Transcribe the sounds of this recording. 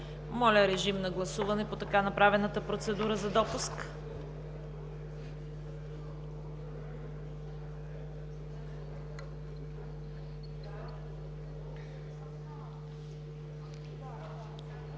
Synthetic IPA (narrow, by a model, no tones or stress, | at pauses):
mɔlʲəɾɛʒimnɐɡlˠɐsuvɐnɛpot̪ɐkanɐpɾavɛnət̪əpɾot̪sɛd̪uɾəzɐd̪ɔpusk